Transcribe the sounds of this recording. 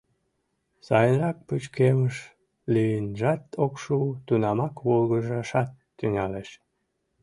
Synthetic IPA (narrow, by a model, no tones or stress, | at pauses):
sɑjənrɑk̚put͡ɕkeməʃ | liənʒɑt̪okʃut̪unɑmɑkβolɣəʒɑʃɑt̪ːyŋɑleʃ